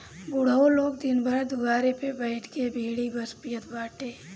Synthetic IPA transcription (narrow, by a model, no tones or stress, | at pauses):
bʊɽ̤aoloːɡd̪ɪnbʱəɾd̪ʊɡaːɾepebɛːʈʰkebʱeːɽibəspijət̪baːʈeː